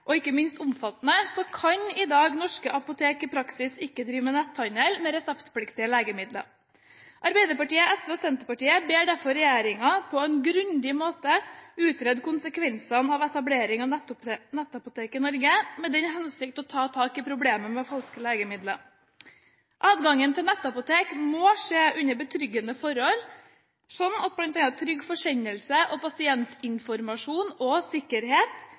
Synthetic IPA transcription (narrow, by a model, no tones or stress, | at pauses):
ʔɔɪkːəmɪnst̪ʊmfɑt̪nəsɔkʰɑɲɪd̪ɑːɡnɔʂkəʔɑpʊt̪ʰeːkɪpʰɾɑksɪsɪkːəd̪ɾiːʋmənɛt̪ʰːɑnɛlmɛɾɛsɛpt̪pʰlɪkt̪ɪəleːɡəmɪd̪lə̰ | ʔɑɾbæɪd̪əɾpɑʈiːəæsʋɛːosɛnt̪əɾpɑʈiːəbeːɖæɾfɔɾɛjeːɾɪŋɑpʰɔɛnɡɾʉnd̪ɪmoːt̪əʉːt̪ɾɛd̪kʊnsəkʰʋɛnsɑnɑʋɛt̪ɑbleːɾɪŋɑʋ̪nɛt̪ːɑpʊt̪ʰeːkɪnɔɾɡəmɛd̪ɛnɦɛnsɪkt̪ɔt̪ʰɑːt̪ʰɑːkɪpʰɾʊbleːməmɛfɑlskəleːɡəmɪd̪lə | ʔɑːd̪ɡɑŋːənt̪ʰɪlnɛt̪ːɑpʊt̪ʰeːkmoːʂeːʔʉɲːəɾbət̪ʰɾʏɡənəfɔɾɔl | sɔnɑt̪̚blɑnt̪ɛɑt̪ʰɾʏɡːfɔʂɛɲːəlsəʔɔpʰɑsɪɛnt̪ɪnfɔɾmɑʂuːnɔsɪkːəɾɦeːt̪